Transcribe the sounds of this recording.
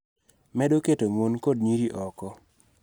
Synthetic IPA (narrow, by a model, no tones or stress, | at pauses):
mɛdoketomonkodɲiɾiʔɔkɔ